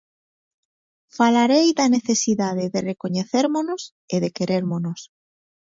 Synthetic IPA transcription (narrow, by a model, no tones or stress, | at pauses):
falaɾejðaneθe̞siðað̞eðerekoɲeθeɾmonos | eðekeɾeɾmonos